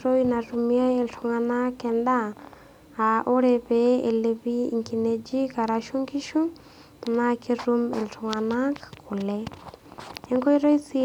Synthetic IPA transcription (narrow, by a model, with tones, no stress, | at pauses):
ɾo˦jna˨ɾumia˦e˨ltʰʊ˨ŋana˦kːɛ˨ndaː˦˨ | ʔo˦ɾɛpɛḛ˨lebi˦ḭ˨ŋki˨ned͡ʒi˦ka˨ɾaʃu˦ŋki˦ʃu˦ | naki˦ɾumḛ˨ltʰʊŋanakkʊ˨lɛ | ɛ˦ŋko˦jɾo˦jsi